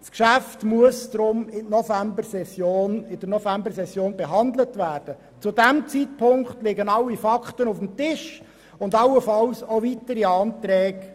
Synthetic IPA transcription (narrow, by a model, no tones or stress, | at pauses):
skʃæftmuəsd̥ɾʊmɪtnɔfæmbəɾsɛsjoːnɪd̥əɾnɔfæmbəsɛsːjoːnbeɦɑnd̪lətvæːrd̥ə | t͡sʊdæmt͡sitpʰʊŋkχtlɪɡənɑlːifɑkχtənufm̩tɪʃ | ʊndɑlːəfɑlsovitəɾiɑːntɾɛːk